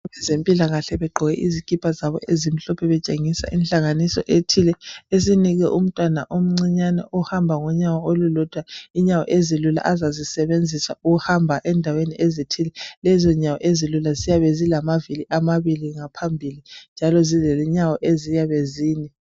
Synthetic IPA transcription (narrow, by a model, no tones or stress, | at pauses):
βɛzempʼilaɣaɬɛβɛɡ͡ǃʱɔɣɛʔizikʼipʰʼazaβɔ̰ʔezim̩ɬɔpʰɛβɛt͡ʃʼeŋisa̰ʔinɬʼaŋanisɔ̰ʔetʰilɛes̬iniɣɛʔum̩tʼwana̰ʔom̩ŋ͡ǀiɲanɛ̰ʔɔhambʱaŋɔɲawɔolulɔd̥ʱwaiɲawɔ̰ʔezilula̰ʔazazisɛβend͡zʱisa̰uɣuhambʱaʔɛndʱaweniʔezitʰilɛlɛzɔɲawɔ̰ʔezilulazijaβɛzilamaviliʔamaβiliŋapʰambʱilind͡ʒʱalɔzizɛlɛɲawɔʔezijaβeziːni